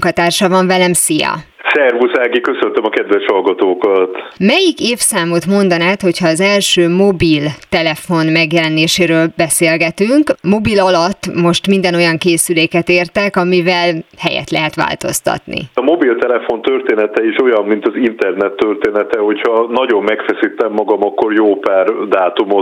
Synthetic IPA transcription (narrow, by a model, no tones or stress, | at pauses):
kɒt̪aːrʃɒvɒɱvɛlɛmsijɒ̰ | sɛrvusaːɡikøsønt̪ømɒkɛd̪ʋɛʃhɒlɡɒt̪oːkɒt̪mɛjikeːfsaːmot̪mo̞nd̪ɒnaːt̪ho̞chɒːzɛlʃøːmo̞bilt̪ɛlɛfo̞nmɛɡjɛlɛneːʃeːɾøːlbɛseːlɡɛt̪yŋkmo̞bilɒlɒt̪ːmo̞ʃt̪mind̪ɛno̞jɒŋkeːsyleːkɛt̪eːrt̪ɛkɒmivɛlhɛjɛ̰t̪lɛɦɛt̪ʋa̰ːlt̪o̞̰st̪ɒ̰t̪nḭɒmo̞bilt̪ɛlɛfo̞nt̪ørt̪eːnɛt̪ɛiʃo̞jɒmmint̪ɒzint̪ɛrnɛt̪ːørt̪eːnɛt̪ɛho̞chɒnɒɟo̞mːɛkfɛsit̪ːɛmːɒɡɒmɒkːo̞rjoːpaːrd̪aːt̪umo